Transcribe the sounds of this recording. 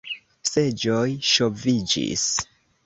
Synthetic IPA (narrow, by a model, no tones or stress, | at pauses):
sed͡ʒojʃo̞vid͡ʒḭs